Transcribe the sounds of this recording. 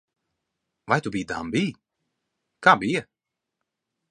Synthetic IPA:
vajt̪ubiːd̪a̰mbiː | kaːbijɐ

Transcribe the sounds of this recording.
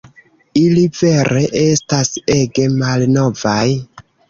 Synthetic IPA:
ilive̞ɾʔe̞ʔe̞stase̞ɡe̞malno̞vaj

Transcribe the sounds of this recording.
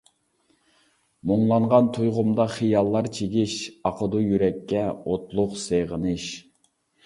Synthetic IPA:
moŋlˠɑɴʁɑnt̪ʰujʁʊmd̪ɑχijɑlˠːɑɾt͡ʃʰeɡʲiʃɑqʰəd̪ujyɾɛkʲːɛot̪lˠʊqseʁənɨʃ

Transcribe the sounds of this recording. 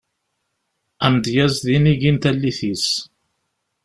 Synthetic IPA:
æmd̪jæzðiniʝint̪ælːiθis

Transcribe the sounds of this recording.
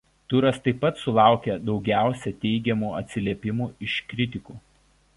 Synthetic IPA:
t̪ʊɾɐst̪ɐɪpːɐt̪sʊlˠɑˑʊkʲɛd̪ɒʊɡʲæˑʊsʲɛt̪ʲɛɪɡʲɛmuːɐt̪ʲsʲɪlʲiɛpʲɪmuːɪʃkɾʲɪt̪ʲɪkuː

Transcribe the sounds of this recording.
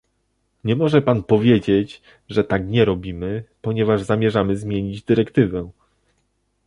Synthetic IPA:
ɲɛmɔʐɛpanpɔvʲjed͡ʑet͡ɕ | ʐɛt̪akɲɛɾɔbʲimɘpɔɲɛvaʐzamʲjɛʐamɘzmʲjeɲid͡ʑd̪ɘɾɛkt̪ɘvɛ

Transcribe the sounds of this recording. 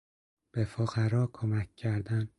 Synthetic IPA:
b̥efoɣæɾɒːkʰomæcʲcːʰæɾd̪æn

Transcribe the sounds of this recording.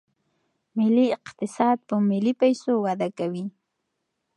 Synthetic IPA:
mɪliɪqt̪ɪsɑd̪̚pəmɪlipajsowad̪akawi

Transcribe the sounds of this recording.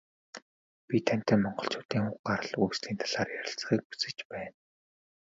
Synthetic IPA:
pʲit̪ʰæm̥ʲt̪æːmɔɴɢɞ̆ɬt͡ɕʰʊːt̪iːŋχʊχɢaɾə̆ɮujksɮiːnt̪ʰḁɮ̥aːrjæɾʲɪ̆ɬt͡s̆χiːk̚pu̥t͡sɘ̆t͡ɕpæːn

